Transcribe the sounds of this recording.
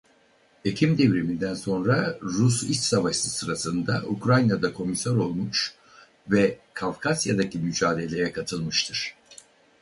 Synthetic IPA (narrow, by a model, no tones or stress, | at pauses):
e̞cʰimd̪e̞vɾemind̪ænso̞nɾaɾusisavaʃsɯsɯɾasɯnd̪aʔukɾajnad̪akʰo̞misaɾo̞lˠmuʃ | vɛkʰavkʰasjad̪acimyd͡ʒaːd̪e̞lʲe̞jɛkʰat̪ʰɯlˠmɯʃt̪ʰɯɾ̥